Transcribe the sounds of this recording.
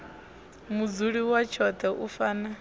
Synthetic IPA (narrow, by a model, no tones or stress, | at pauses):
mud͡zuɺiwat͡ʃʰɔt̪ʰɛʔufaːna